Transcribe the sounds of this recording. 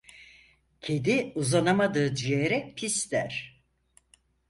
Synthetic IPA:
cʰe̞d̪iuzanamad̪ɯːd͡ʒyjeɾɛpʰist̪æɾ̥

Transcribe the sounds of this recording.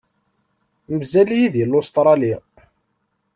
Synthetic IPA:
məzælijiðjəlːost̪ɾˤɑli

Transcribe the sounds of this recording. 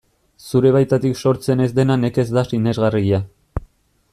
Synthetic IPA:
suɾe̞β̞ajt̪at̪ikso̞ɾt͡se̞ne̞zd̪e̞nane̞ke̞zd̪asine̞zɣariɣia

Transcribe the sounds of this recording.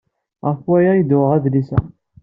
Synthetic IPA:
ʁəfwæjæjid̪ʊʁæðlisæ̰

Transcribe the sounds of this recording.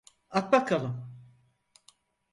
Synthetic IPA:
ak̪̚bakalˠɯm

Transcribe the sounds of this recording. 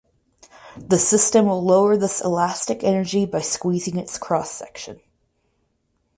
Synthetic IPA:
ðɨsɪstɨ̃mwəlˠoʊə˞ðɪsə̰læstɨkɛnə˞d͡ʒibaɪskwizɪ̃ŋɨtskʰɹ̥ɔsɛ̰kʃɨ̰̃n

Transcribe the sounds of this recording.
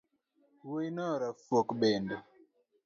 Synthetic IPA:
woinɔɾafwokbɛndɔ

